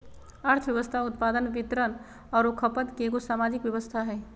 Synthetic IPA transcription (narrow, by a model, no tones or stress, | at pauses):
əɾt̪ʰəʋjəʋəst̪ʰaʊt̪paːd̪ənʋɪt̪ɾən | ɔːɾokʰəpət̪keɡosaːmaːd͡ʒɪkʋjəʋəst̪ʰaɦɛː